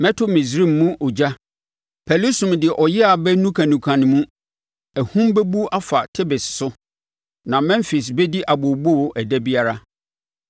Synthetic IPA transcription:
mɛ̃˦tʰʊ˦mĩ˨s̬ɾi˦˨mːũ˦ʔɔ˨d͡ʑa˦ | pʰɛ˨lu˦sũ˨mdɪ˨ɛ˨ʔɔ˨jɪ˦a˨bɛ˦nũ˦kʰã˨nũ˨kʰã˨nɪ̃˨mũ˦ | æ˨hũ˦mbɛ˦bu˦ʔa˦fa˨tʰɪ˦bɪ˨ssʊ˦ | nã˨mɛ̃˦mfi˨s̬bɛ˦di˦ʔa˨bʊ˨bo˦wʊ˨ʔæ˨dɛ˦bi˦a˦ɾa˦

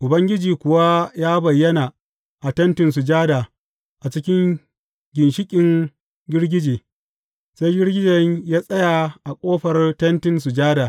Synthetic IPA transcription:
ʔʊ˨bɐ˦ŋɡʲɪ˦d͡ʒiː˨kʷʊ˨wa˦jaː˦bɐ˨jːɐ˦naː˨ | ʔa˨tɐ˦ntɪ˨ns̬ʊ˨d͡ʒaː˦daː˨ | ʔa˨t͡ʃɪ˦kʲɪ˦ŋ | ɡʲɪ˨nʃɪ˦kʲʼɪ˨ŋ | ɡʲɪ˦rɡʲɪ˦d͡ʒeː˨ | sa˦jɡʲɪ˦rɡʲɪ˦d͡ʒɐ˨ɲjaː˦sʼɐ˦ja˨ʔa˨kʷʼoː˦ɸɐ˨rtɐ˦ntɪ˨ns̬u˨d͡ʒaː˦daː˨

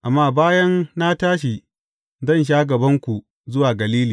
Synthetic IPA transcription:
ʔa˨mːaː˦baː˦jɐ˦nna˦taː˦ʃ̬i˨ | zɐ˦˨nʃ̬aː˦ɡɐ˨bɐ˦ŋkʷu˨ | zʊ˦waː˨ɡɐ˨liː˦liː˨

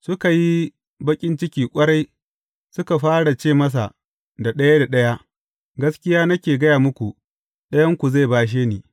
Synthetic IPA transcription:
sʊ˦ka˨ji˦ | bɐ˦kʲʼɪ˦nt͡ʃɪ˦kʲiː˨kʷʼɐ˦ɽa˦j | sʊ˦ka˨ɸaː˦ɽa˨t͡ʃeː˦˨mɐ˦s̬a˨ | da˨ɗɐ˦ja˦da˨ɗɐ˦ja˦ | ɡɐ˦skʲɪ˦jaː˦nɐ˦kʲeː˨ɡɐ˦jaː˨mʊ˦kʷu˨ | ɗɐ˦jɐ˦ŋkʷu˨za˦˨baː˦ʃ̬eː˦niː˨

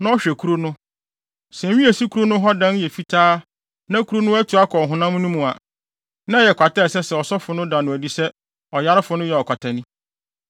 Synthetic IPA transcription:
nã˦ɔ˦ɕᶣɛ˨kʰu˦ɾo˦nʊ̃˦ | sɛ̃˨ɥĩ˦ɛ˨si˦kʰu˦ɾo˦nʊ̃˦ɦɔ˦dã˦n˦jɛ˨fi˦tʰaː˦ | nã˦kʰu˦ɾo˦nʊ̃˦æ˦tʰu˨a˦kʰɔ˨ɦʊ̃˨nã˦m̃˦nũ˦mũ˨a̰˨ | nã˦jɛ˨kʰʷa˨tɛ˦˨sɛ˦sɛ˨ɔ˨sɔ˦fʊ˨nʊ̃˦dã˨nʊ̃˨æ˨di˦sɛ˦ | ɔ˨ja˦ɾɪ˦fʊ˨nʊ̃˦jɛ˨ɔ˨kʷʰa˨tʰa˨nĩ˦

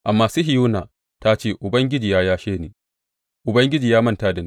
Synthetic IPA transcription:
ʔa˨mːaː˨suː˦ɦɪ˨juː˦naː˨ | ta˦t͡ʃeː˦˨ʔʊ˨bɐ˦ŋɡʲɪ˦d͡ʒiː˨jaː˦jaː˦ʃeː˦neː˨ | ʔʊ˨bɐ˦ŋɡʲɪ˦d͡ʒiː˨jaː˦mɐ˦nta˦da˨ne˦

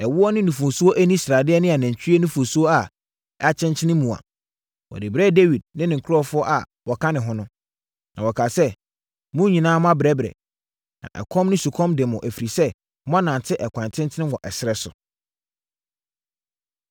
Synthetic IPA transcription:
ɛ˨wʊ˦ɔ˦nɪ̃˦nũ˨fʊ̃˨su˦o˦ʔæ˦nĩ˦sɾa˨dɪ˦ɛ˦nɪ̃˦a˨næ̃˨ɲ˨t͡ɕʰᶣɥe˦nɪ̃˦fo˨su˦o˦a˨ | a˦t͡ɕʰɪ̃˦nt͡ɕʰɪ˦nɪ̃˦mːũ˨a̰˨ | wɔ̰˨dɪ˨bɾɛ˦de˦wi˨d̚nɪ̃˦nɪ̃˨ŋ̩˨kʰʊ˦ɾɔ˦fʊ˦ɔ˦ʔa̰˨ | wɔ˨kʰã˦nɪ̃˨ɦʊ̃˦nʊ̃˦ | nã̰˨wɔ˨kʰa˨sɛ˦ | mʊ̃˦ɲĩ˨nãː˦mʊ̃˦a˦bɪ˨ɛ˦bɾɛ̰˨ | nã̰˨ʔɛ̰˨kʰɔ̃˦mnʊ̃˦su˨kʰɔ̃˦mdɪ˨mʊ̃˨ʔæ˨fi˨ɾi˨sɛ˦ | mʊ̃˦a˦nã˨ntʰɪ˦ʔɛ˨kʰʷã˨ntʰɪ̃˦ntʰɪ̃˦nɪ̃˦wɔ˨ʔɛ˨sɪ˦ɾɛ˦sʊ̰˨

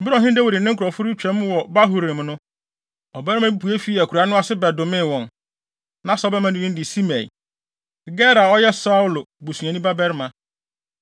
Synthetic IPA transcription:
m̩˦bɪ˦ɾɔ̃˨ɦɪ̃˦n˦dɛ˦wo˨ɾɪ˨nɪ̃˦kʰɾɔ˨fʊ˦ɾʊ˦t͡ɕᶣɛ̃˨˦m˦wɔ˨ba˦ɦu˨ɾẽ˨m˨nʊ̃˦ | ɔ˨bɛ˦ɾmã˦bi˦pʰu˨˦e˦fi˦æ˨kʰu˨ɾa˨˦nʊ̃˦a˦˨sɪ˦bɛ˨dʊ˨mɪ̃˦˨wɔ̃˨n | nã˨˦sɔ˦bɛ˦mã˦nĩ˨˦ĩ˦n˦dɪ˨si˦mɛ˨ḭ˨ | ɡɛ˦ɾa˨ɔ˦jɛ˦sa˦u˦lo˨bu˨su˨ã˨nĩ˦ba˦bɛ˦ɾmã˨

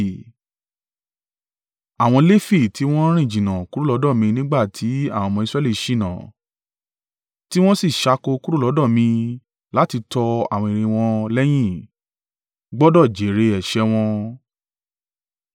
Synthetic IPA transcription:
a˨w̃ɔ̃˧le˦fi˦˨tʰi˨˦w̃ɔ̃˦ɾ̃ĩ˦˨d͡ʒĩ˨nã˨ku˦ɾu˦˨lɔ˨˦dɔ̃˦˨mĩ˧nĩ˦ɡ͡ba˦˨tʰi˨˦a˦˨w̃mɔ̃˧i˧sɾɛ˦˨li˦˨ʃi˦˨nã̰˨ | ti˦w̃ɔ̃˦si˦˨ʃa˧ko˧ku˦ɾu˦lɔ˨˦dɔ̃˦˨mĩ˧ | la˨˦ti˧tɔ˧a̰˦˨w̃ɔ̃˧i˨ɾ̃ĩ˧w̃ɔ̃˧lɛ˦j̃ĩ˦˨ | ɡ͡bɔ˦dɔ˦˨d͡ʒe˨˦ɾe˧ɛ˨ʃɛ˧w̃ɔ̃˧

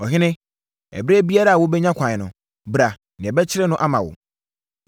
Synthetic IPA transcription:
ɔ˨ɦɪ˦nɪ̃˦ | ɛ̰˨bɾe˦bi˦a˦ɾa˨a˨wʊ˦bɛ˦ɲã˦kʷʰã˨ɲ˨nʊ̰̃˨ | bɾa˨ | nɪ̃˨ɛ˨bɛ˦t͡ɕʰɪ˦ɾɪ˦nʊ̃˦ʔa˦mã˨wʊ̰˨

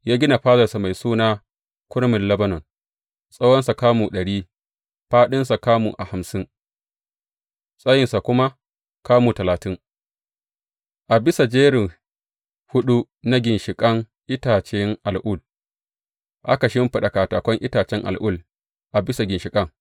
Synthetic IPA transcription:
jaː˦ɡʲɪ˦na˨ɸaː˦zɐ˨rsa˨ma˨jsuː˦naː˦ | kʷʊ˦ɽmɪ˨nlɐ˦bɐ˦nɔ˨n | sʼa˦wɔ˦nsa˨kaː˦muː˨ɗɐ˨ɽiː˦ | ɸaː˦ɗɪ˦nsa˨kaː˦mṵ˨ʔa˨ha˨msɪ˦ŋ | sʼa˦jɪ˨nsa˨kʷʊ˦ma˦ | kaː˦muː˨tɐ˨laː˨tɪ˦ŋ | ʔa˨bɪ˦sa˨d͡ʒeː˦ɾɪ˨ŋ | hʊ˦ɗu˦ | na˦ɡʲɪ˨nʃɪ˨kʼɐ˦ŋ | ʔɪ˦taː˨t͡ʃɛ˦ŋʔa˨lʔʊ˦l | ʔa˦ka˨ʃɪ˦mɸɪ˨ɗa˨kaː˨taː˨kʷɔ˦ŋʔɪ˦taː˨t͡ʃɛ˦ŋʔa̰˨lʔʊ˦l | ʔa˨bɪ˦sa˨ɡʲɪ˨nʃɪ˨kʼɐ˦ŋ

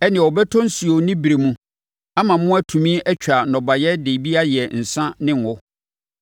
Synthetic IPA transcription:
ɛ˦nɪ̃˨ɔ˨bɛ˦tʰɔ̃˦n̩˦si˨o˨˦nĩ˦bi˨ɾe˨mũ˦ | a˦mã˨mʊ̃˦æ˦tʰũ˨mĩ˦ɛ˦t͡ɕᶣa˨nɔ̃˨ba˨jɛ˦de˨bi˦a˦jɛ˨n̩˨sã˦nɪ̃˦ŋ˨ʊ˦

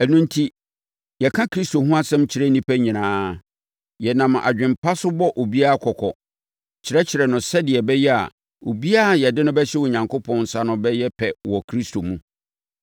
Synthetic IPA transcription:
æ˨nũ˦ntʰi˦ | jɛ˨kʰã˦kʰɾi˦sto˨ɦũ˦a˦sɛ̃˦mt͡ɕʰɪ˨ɾɛ˦nĩ˦pʰæ˦ɲĩ˨nãː˦ | jɛ˨nã˨m˨a̰˨d͡ʑᶣɪ̃˨mpʰa˦sʊ˦bɔ˦ʔo˨bi˦a˦a˨kʰɔ˨kʰɔ˨ | t͡ɕʰɪ˨ɾɛ˦t͡ɕʰɪ˨ɾɛ˨nʊ̃˨sɛ˦dɪ˨ɛ˨bɛ˦jɛ˦a̰˨ | o̰˨bi˦a˦˨jɛ˨dɪ˦nʊ̃˦bɛ˦ɕɛ˦wo˨ɲã˨ŋkʰo˦pʰɔ̃˦n̩˨sa˦nʊ̃˦bɛ˦jɛ˦pʰɛ˨wɔ˨kʰɾi˦stʰo˨mũ˦

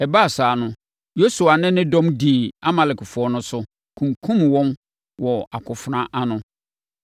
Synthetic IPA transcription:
ɛ˨ba˦˨saː˨nʊ̃˦ | jo˦su˨a˨nɪ̃˦nɪ̃˦dɔ̃˦mdiː˨a˦ma˨lɪ˨kfʊ˨ɔ˦nʊ̃˦sʊ˦ | kʰũ˨ŋkʰũ˦mwɔ̃˦m | wɔ˨a˨kʰʊ˨fɾã˦ʔa˦nʊ̃˦

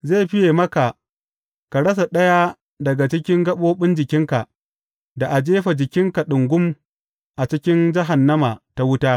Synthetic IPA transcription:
zeː˦˨ɸɪ˦jeː˨mɐ˦ka˨ | ka˨ɽɐ˦s̬a˨ɗɐ˦ja˦ | dɐ˨ɡa˨t͡ʃɪ˦kʲɪ˦ŋɡɐ˦ɓoː˦ɓɪ˦nd͡ʒɪ˨kʲɪ˦ŋka˨ʔ | da˨ʔa˨d͡ʒeː˦ɸa˨d͡ʒɪ˨kʲɪ˦ŋka˨ɗʊ˨ŋɡʷʊ˦m | ʔa˨t͡ʃɪ˦kʲɪ˦nd͡ʒɐ˦ɦa˨nːɐ˦ma˨ta˦wʊ˦taː˦

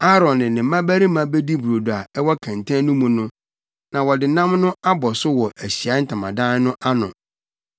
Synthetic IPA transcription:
a˦ɾɔ̃˨nnɪ̃˨nɪ̃˨m˦mã˦bæ˦ɾi˦mã˨be˦di˦bu˨ɾo˨du˨a˨ɛ˦wɔ˦kʰɛ̃˨ntʰã˦nʊ̃˦mũ˨nʊ̃˦ | nã˨wɔ˨dɪ˨nã˦mnʊ̃˦a˦bɔ˨sʊ˦wɔ˨ʔæ˨ɕi˨a˨˦n̩˦tʰã˨mã̰˨dã˦n˦nʊ̃˦ʔa˦nʊ̰̃˨

